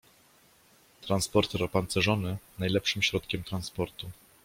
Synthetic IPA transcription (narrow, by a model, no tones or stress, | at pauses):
t̪ɾanspɔɾt̪ɾɔpant̪sɛʐɔnɘnajlɛpʂɘmɕɾɔt̪kʲɛmt̪ɾanspɔɾt̪u